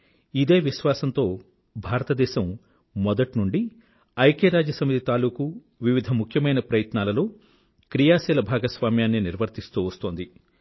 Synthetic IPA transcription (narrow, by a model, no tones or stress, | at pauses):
id̪e̞ːʋiʃʋaːsɐnt̪o̞ː | bʱaːɾɐt̪ɐd̪ɛːʃɐmː | ɔd̪ɐʈnuɳɖi | ɐjkeːɾaːd͡ʒjɐsɐmit̪it̪aːluːku | ʋiʋid̪ʱɐmukʰjɐmɐjnɐpɾɐjɐt̪naːlɐloː | kɾijaːsɛːlɐbʱaːɡɐsʋaːmjaːnːiniɾʋʱɐɾt̪ist̪uːʋɐst̪oːnd̪i